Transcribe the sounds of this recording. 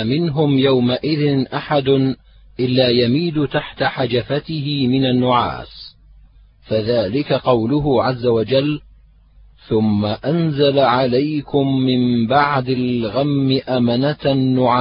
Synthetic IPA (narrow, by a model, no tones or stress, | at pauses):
mɪnɦʊmjawmaʔɪðɪnʔaħad̪ʊ | ʔɪlːaːjamiːd̪ʊt̪aħt̪aħad͡ʒafat̪ɪhɪmɪnanːʊʕa̰ːs | faðaːlɪkaqɑwlʊɦʊʕazːawad͡ʒalː | θʊmːaʔanzalaʕalajkʊmːɪmbaʕd̪alɣamːɪʔamanat̪nːʊʕaː